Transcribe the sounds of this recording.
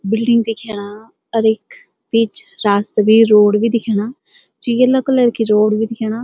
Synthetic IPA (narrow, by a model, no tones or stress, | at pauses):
bɪlɖɪŋɡd̪iːkʰɛːɽ̃aː | əɾɪk | pit͡ʃɾaːst̪biːɾoːɽʋiːd̪ɪkʰeːɽaː | d͡ʒiəlːakolɛːɾkiɾoːɽʋiːd̪ɪkʰeːɽaː